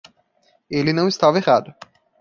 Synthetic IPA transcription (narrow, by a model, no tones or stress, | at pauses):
elɪnɐ̃w̃ist̪avɐehad̪ʊ